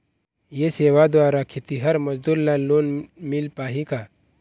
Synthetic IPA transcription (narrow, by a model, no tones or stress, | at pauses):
jeseːʋad̪ʋaːɾakʰet̪iɦəɾməd͡ʒd̪uɾlaloːnmilpaːɦika